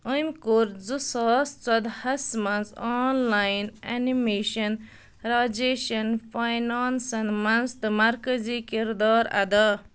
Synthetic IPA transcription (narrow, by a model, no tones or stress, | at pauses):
əjmkoɾd͡zusɔːst͡sɐd̪hɐsmɐnzaːnlajna̰nimeːʃɐn | ɾaːd͡ʒeːʃɐnfʰajnaːnsɐnmɐnst̪ɨmɐɾkɐziːkiɾd̪aːɾɐ̰d̪a